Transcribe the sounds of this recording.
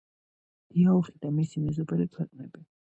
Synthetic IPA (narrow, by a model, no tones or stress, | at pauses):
d̪̥iauχid̪amisimɛzɔbɛlikʰwɛqʼnɛbi